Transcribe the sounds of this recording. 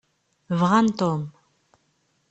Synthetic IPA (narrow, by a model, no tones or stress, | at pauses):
vʁɐnt̪oːm